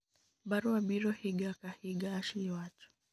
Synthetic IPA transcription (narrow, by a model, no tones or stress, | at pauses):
baɾuabiɾɔhiɡakahiɡaːʃiwat͡ʃɔ̥